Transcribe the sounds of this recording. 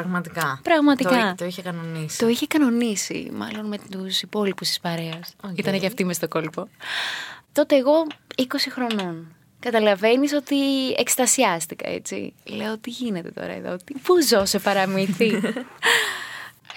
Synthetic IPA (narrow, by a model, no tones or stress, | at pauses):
pɐɣmɐt̪ikɐpɾɐɣmɐt̪itkɐt̪oiçekɐnonist̪o̞içekɐno̞nisḭmɐ̰lo̞nme̞t̪usipo̞lipust̪i̥spɐɾe̞ɐsit̪ɐneʝɐft̪imest̪o̞ko̞lpo̞ | t̪o̞t̪e̞ːɣo̞iko̞sixɾo̞no̞n | kɐt̪ɐlɐve̞niso̞t̪iekst̪ɐsiɐst̪ikɐ̰e̞̰t͡sḭle̞oot̪iʝine̞t̪e̞t̪o̞̰ɾɐ̰ḛðo̰ot̪ipuzo̞se̞pɐɾɐmiθi